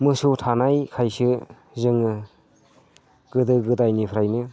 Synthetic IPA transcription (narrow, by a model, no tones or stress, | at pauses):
mɯsutʰanajkʰajsɯ | zɯŋɯ | ɡ̥ɯdɯɡɯdajnipʰɾajnɯ